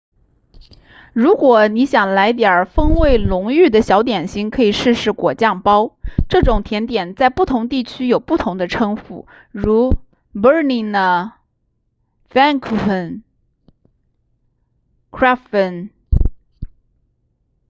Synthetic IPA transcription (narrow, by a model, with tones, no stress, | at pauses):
ɻu˧˥kwɔ˨˩˦ni˧˥ɕjɑ˨˩ŋla˧˥ɪt̪̬jɑ˞˨˩fɤ˥ŋwe˥˩ɪlʊ˧˥ŋy˥˩d̪ə˩ɕjɑ˧˥ʊt̪jɛ˨˩nɕi˥ŋkʰɤ˧˥i˨˩ʂɻ̩˥˧ʂɻ̩˧˥˩kwɔ˨˩t͡ɕjɑ˥˩ŋpɑ˥ʊʈ͡ʂɤ˥˩ʈ͡ʂʊ˨˩ŋt̪ʰjɛ˧˥nt̪jɛ˨˩nt͡sa˥˧ɪpu˥˩t̪ʰʊ˧˥ŋt̪i˥˩t͡ɕʰy˥jo˨˩ʊpu˥˩t̪ʰʊ˧˥ŋd̪ə˧ʈ͡ʂʰɤ˥ŋfṵ˨˩ | ɻu˧˥ | bə˥li˥˩ŋnə˧ | fɛ˥nkʰn | kʰɹa˥ə˧˩n